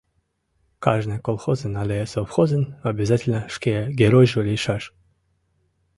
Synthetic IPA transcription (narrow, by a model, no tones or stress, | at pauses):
kaʐnɨjkolˠxozɨnalʲesofxozʲɨnɐbʲɪzatʲɪlʲnəʂkʲeɡʲeɾojʒulʲeʃaʃ